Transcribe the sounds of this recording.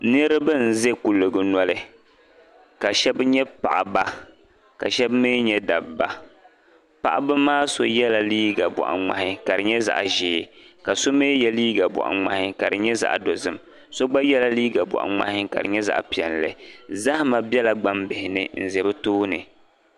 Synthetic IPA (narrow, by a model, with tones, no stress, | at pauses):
nɨ˦ɾɨ˦bɨ˦n̩˨zɛ˦ku˨lɨ˨ɡɨ˨nɔ˦lɨ˦ | ka˨ʃɛ˦bɲɛ˦pa̰˨ʔa˨ba˦ | ka˨ʃɛ˦bmɨ˦ɲɛ˦da˨bba˦ | pa̰˨ʔa˨bɨ˦maː˦so˦jɛ˦la˨liː˦ɡa˨bɔ̰˨ʔa̰˨ŋ͡ma̰˨hɪ˦ka˨ɾɨ˨ɲɛ˦za̰˨ʔʒeː˨˦ka˨so˦meː˦jɛ˨liː˦ɡa˨bɔ̰˨ʔa̰˨ŋ͡ma̰˨hɪ˦ka˨ɾɨ˨ɲɛ˦za̰˨ʔdo˨zɨ˦m | so˦ɡ͡ba˦jɛ˦la˦liː˦ɡa˨bɔ̰˨ʔa̰˨ŋ͡ma̰˨hɪ˦ka̰˨ɾɨ̰˨ɲɛ˦za̰˨ʔpi˨ɛ˨nlɨ̰˨za˦hma˨bɛ˦la˦ɡ͡ba˦mbɪ˨hɪ˨nɨ˨n̩˨zɛ˨bɨ˦toː˦nɨ̰˨